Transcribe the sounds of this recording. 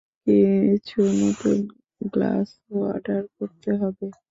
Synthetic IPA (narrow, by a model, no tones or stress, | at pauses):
kit͡ɕʰuemɔt̪o | ɡla̰s | oa̰ɖaɾkoɾt̪eɦɔbe